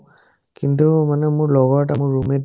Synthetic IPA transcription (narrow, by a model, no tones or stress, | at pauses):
kintumanɛmʊɹlɔɣɔɹʈamʊɹːumet